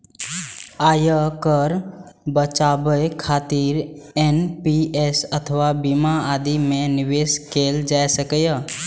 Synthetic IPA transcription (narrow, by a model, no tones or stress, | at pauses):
aːjəkəɾbət͡ʃaːbəjkʰaːt̪iɾenpiesət̪ʰəʋabimaaːd̪imẽnɪʋeːskeːld͡ʒaːesəkəjə